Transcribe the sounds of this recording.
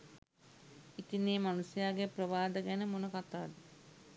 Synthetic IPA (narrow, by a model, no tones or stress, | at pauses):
it̪inːeːmanusjaːɡeprəʋaːd̪əɡænəmonəkat̪aːd̪ə